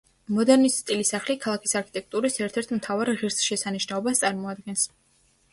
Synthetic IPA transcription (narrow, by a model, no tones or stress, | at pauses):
mɔd̪ɛɾnisst̪ʼilisaχlikʰalˠakʰi̥saɾkʰi̥t̪ʼɛk̚ʰt̪ʼuɾisɛɾt̪ʰɛɾt̪ʰmt̪ʰavaɾʁiɾsʃɛsaniʃnaɔbast̪sʼaɾmɔad̪̚ɡɛns